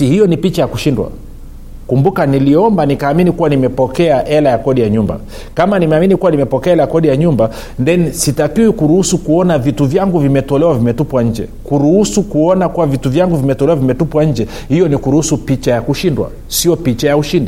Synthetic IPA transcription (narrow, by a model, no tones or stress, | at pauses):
ihijɔnipit͡ʃajakuʃindwa̰ | kumbukaniliɔmbanikaːminikuwanimɛpɔkɛaʔɛlajakɔɗijaɲumba̰ | kamanimɛaminikuwanimɛpɔkɛaɛlajakɔɗijaɲumba | ndɛnisitakiwikuɾuhusukuɔnavituvjaŋɡuvimɛtɔlɛwavimɛtupwaɲ̩d͡ʒɛ̰kuɾuhusukuɔnakuwavituvjaŋɡuvimɛtɔlɛwavimɛtupwaɲ̩d͡ʒɛ | hijɔnikuɾuhusupit͡ʃajakuʃindwa̰ | siɔpit͡ʃajauʃindi